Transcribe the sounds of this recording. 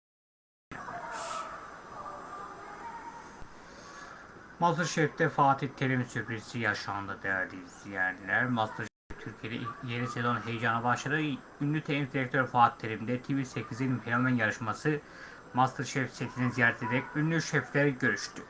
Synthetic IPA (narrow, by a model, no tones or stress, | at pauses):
ʃ | mast̪ɯɾʃɛft̪ɛfaːt̪ʰit̪ʰeɾimsyɾpʰɾizsijaʃaɯnd̪ad̪ɛæɾd̪iz̥ijɛɾilʲæɾmast̪ʰɯɾʃeft̪ʰyɾcʰied̪ɛ̰jenisezonɦe̞jd͡ʒanabaʃˠaɾɯ | ynːʲyt̪ʰeid̪iɾɛk̚t̪ʰøɾfaːt̪ʰːeɾimd̪ɛt̪ʰivisecʰizenʲimpʰelomɛnjaɾɯʃmasɯ | mast̪ʰɯɾʃɛfset̪ʰininzijaɾt̪ʰed̪ɛcynlʲyʃɛflʲeɾiɟø̞ɾyʃt̪ʰy